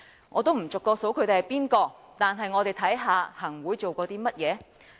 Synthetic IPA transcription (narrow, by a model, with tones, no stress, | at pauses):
ŋɔː˨˧t̪o˥wm̩˨˩t͡sʊ˨kːɔː˧so˨˥wkʰɵ˨˧jt̪e˨˩hɐ˨jpiː˥nkɔː˧ | t̪aː˨nɦɐ˨jŋɔː˨˧t̪e˨jt̪ʰɐ˨˥jɦaː˨˧hɐ˨˩ŋwuː˨˧jt͡ʃo˨wkɔː˨˧t̪iː˥mɐ˥t̚jɛː˨˧